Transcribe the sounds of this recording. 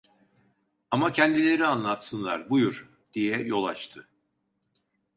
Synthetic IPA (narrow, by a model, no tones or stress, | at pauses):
amacʰɛnd̪ilʲe̞ɾianlˠat̪sɯnlˠaɾbujuɾ̥ | d̪̥ijɛjo̞lˠat͡ʃt̪ʰɯ